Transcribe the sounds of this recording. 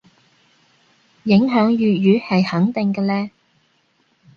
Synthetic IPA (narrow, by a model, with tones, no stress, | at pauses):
jɪ˨˥ŋɦœː˨˥ŋjyː˨jyː˨˥hɐ˨jhɐ˨˥ŋt̪ɪ˨ŋkɛː˧lɛː˥